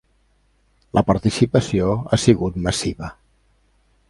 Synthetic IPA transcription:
lʔəpəɾt̪isipəsioasiɣut̪məsiβə

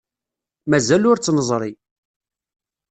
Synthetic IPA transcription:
mæzælʊɾt͡sːnəzˤɾˤi

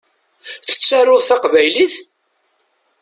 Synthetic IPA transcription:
θə̥t͡sːarːʊðθɑqvæjliθ

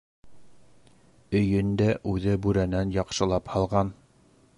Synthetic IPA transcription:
ɵ̆jɵnd̪æʔʉðɘbʉɾænænjɑqʃɤ̆lˠɑphɑlˠʁɑn

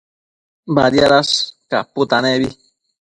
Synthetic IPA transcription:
baɾjaɾaska̰put̪aneβi

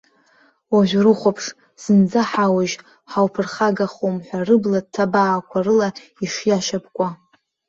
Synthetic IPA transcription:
waʒʷᶣrɨχʷapʰʂ | z̥ɨnd͡zaħawaʒ | ħawpʰɨrχaɡaχumħʷᶣarɨblad̚tʰabaːkʷʰarɨla | iʂjaʃapkʷʼa

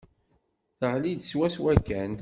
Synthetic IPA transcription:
θəʁlid̪swæswækːæn

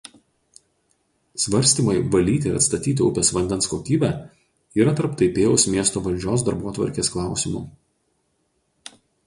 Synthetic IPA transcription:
sʋɐɾʲˑsʲt̪ʲiːˑmɐɪʋɐlʲiːt̪ʲɪɪɾɐt̪st̪ɐt̪ʲiːt̪ʲɪʊpʲɛsʋɐnʲd̪ʲɛnskoːkʲiːbʲæ | iːɾɐt̪ɐɾpt̪ɐɪpʲeːjʊsmʲiɛst̪oːʋɐlʲd͡ʒʲoːs̬d̪ɐɾbuɔt̪ʋɐ̰ɾʲkʲeːsklˠɑˑʊsʲɪmṵː

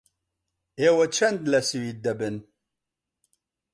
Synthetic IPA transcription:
ewæt͡ʃːænd̪læsiwid̪ːæbən

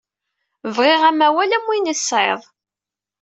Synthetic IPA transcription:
vʁeʁæmæwælæmːinəsːʕḛðˤ

